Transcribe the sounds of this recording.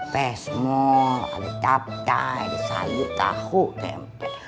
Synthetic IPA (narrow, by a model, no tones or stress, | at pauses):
pesmoa̰lit̪ap̚t̪alisa̰juʔk̪a̰hːuʔt̪ḛmpo